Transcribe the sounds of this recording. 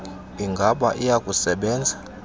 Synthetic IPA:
iŋɡʱaɓaʔijakʼusɛɓɛːnd͡zʱa

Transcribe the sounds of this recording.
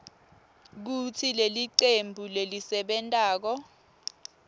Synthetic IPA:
k̬utʰileliǀembʱulelisɛɓɛntʼaːk̬ɔ

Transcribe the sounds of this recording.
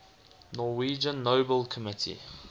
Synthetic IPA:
nɔwiːd͡ʒə̃nːoːbəlkʰəmɪtʰḭ

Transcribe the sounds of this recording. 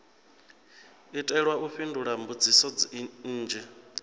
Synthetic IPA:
itʼɛɺwaʔuɸinduɺambud͡zisɔd͡zn̩ːd͡ʒɛ

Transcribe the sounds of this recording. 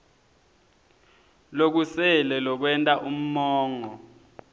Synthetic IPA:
lok̬usɛlɛlɔk̬wɛntʼaʔum̩mɔːŋɔ

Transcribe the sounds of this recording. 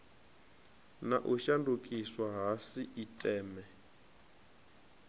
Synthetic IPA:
na̰ʔuʃandukʼiswaɦasiʔitʼɛːmɛ

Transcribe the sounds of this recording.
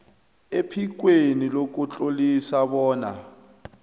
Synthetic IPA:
epʰik̬ʼwenilok̬ʼut͡ɬʼolisaβɔːna̰

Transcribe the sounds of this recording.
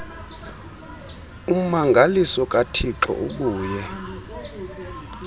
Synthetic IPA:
um̩maŋɡʱalisɔkʼatʰiǁɔ̰ʔuk̬uːjɛ

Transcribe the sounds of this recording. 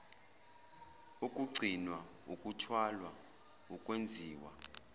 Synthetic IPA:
ukʼuɡ͡ǀʱinwa | ṵkʼutʰwalwa | ukʼwend͡zʱiːwa

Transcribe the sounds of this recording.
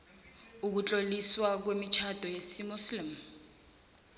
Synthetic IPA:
uk̬ut͡ɬʼoliswak̬wemit͡ʃʰad̥ʱɔjesimuslim

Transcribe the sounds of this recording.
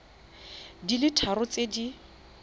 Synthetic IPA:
dilɪtʰaɾʊt͡sʼedi

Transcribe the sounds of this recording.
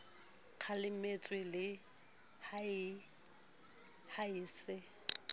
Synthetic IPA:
q͡χʰalɪmet͡sʼwɪlɪ | haɪ | haɪːsɪ

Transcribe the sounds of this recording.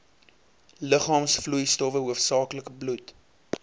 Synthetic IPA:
ləχɑːmsflujstɔvəɦuəfsɑːkləkəblut

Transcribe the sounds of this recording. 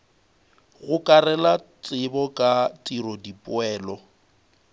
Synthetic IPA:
ɣʊkʼarɛlat͡sʼɪbɔkʼat͡sʼirɔdipʼʊɛːlɔ

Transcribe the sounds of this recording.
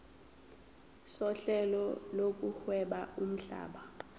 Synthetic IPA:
sɔɬɛlɔlok̬ʼuhwɛɓaum̩ɬa̰ːɓa

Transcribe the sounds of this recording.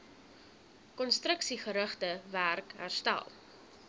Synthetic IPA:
kɔnstɾəksiχəɾəχtəværkɦæ̰rstæ̰lˠ

